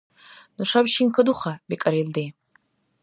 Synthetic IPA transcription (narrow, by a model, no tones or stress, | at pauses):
nɨʂabʃinkʰɐduχabikʼɐɾeldej